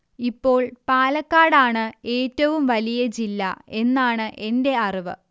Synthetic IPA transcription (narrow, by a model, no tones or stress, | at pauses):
ipːo̞ːɭpaːlɐkːaːɽaːɳɨe̞ːtːɐʋumʋɐlijɐd͡ʑilːɐ̰e̞nːaːɳɨʔe̞nde̞ɐriʋɨ̰